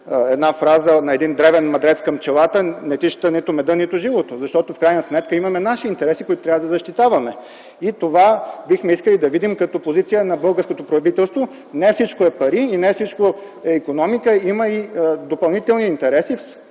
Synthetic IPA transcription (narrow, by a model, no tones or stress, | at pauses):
ɛd̪nafɾazənɐɛd̪ind̪ɾɛvɛnmɐd̪ɾɛt̪skɐmt͡ʃɛlˠat̪ənɛt̪iʃə̥t̪ənit̪ʊmɛd̪ənit̪ʊʒivot̪ozɐʃt̪ɔt̪ofkɾajnəsmɛt̪kəimɐmɛnaʃiːnt̪ɛɾɛsikoʊit̪o̥t̪ɾʲavəd̪ɐzɐʃt̪it̪avɐmɛ | it̪ovabixmɛiskəlid̪ɐvid̪imkɐt̪ɔpozit̪sijənɐbɤlˠɡəɾskot̪opɾɐvit̪ɛlˠst̪vo | nɛfsit͡ʃkoɛpɐɾiːnɛfsit͡ʃko | ɛikonɔmikəimɐid̪opɐlˠnit̪ɛlˠniːnt̪ɛɾɛsif